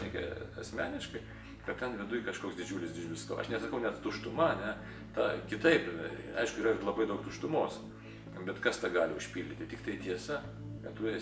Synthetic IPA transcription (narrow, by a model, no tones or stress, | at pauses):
ɛkʲɛ̰ɐ̰sʲmʲæːnʲɪʃkɐɪ | kɐttʲɛnʋʲɪd̪ʊɪkɐʃkoːksd̪ʲɪd͡ʒʲuːlʲɪsdʲɪd͡ʒʋʲɪsko̰ːɐ̰ʃnʲɛsɐkɐʊnʲɛt̪t̪ʊʃt̪ʊmɐɐnʲɛ | t̪ɑkʲɪt̪ɐɪpɐ̰ɪʃkʊiːɾɐɪlˠɐbɐɪd̪ɐʊkt̪ʊʃt̪ʊmoːs | bʲɛt̪kɐst̪ɑɡɑːlʲɪʊʃʲpʲiːlʲd̪ʲɪt̪ʲɪt̪ʲɪkt̪ɐɪt̪ʲiɛsɐ | kɐt̪ʊɛ